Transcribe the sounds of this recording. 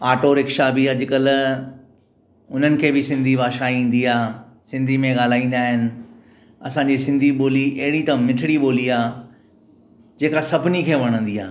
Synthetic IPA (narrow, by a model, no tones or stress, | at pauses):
aːʈoːɾɪkʃaːbiad͡ʑɪkəl | ʊn̤ənɪ̆kʰeːbɪsɪ̃nd̪ʱibaːʃaːiĩːn̆d̪iaː | sɪ̃nd̪ʱimẽɠaːl̤aːĩːn̆d̪aːɦɪnɪ̆ | ɐsãːɲd͡ʑisɪ̃nd̪ʱiɓoːliʔɐɦɪɽit̪ɐmɪʈʰɪɽiɓoːliaː | d͡ʑeːkasɐbʱɪnikʰeːʋɐɽ̃ə̃nd̪iaː